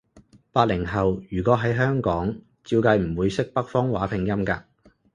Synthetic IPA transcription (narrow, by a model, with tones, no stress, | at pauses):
paː˧t̚lɪ˨˩ŋɦɐ˨wjyː˨˩kʷɔː˨˥ɦɐ˨˥jɦœː˥ŋkɔː˨˥ŋ | t͡siː˧wkɐ˧jm̩˨˩wuː˨˧jsɪ˥k̚pɐ˥k̚fɔː˥ŋwaː˨˥pʰɪ˨˩ŋjɐ˥mkaː˧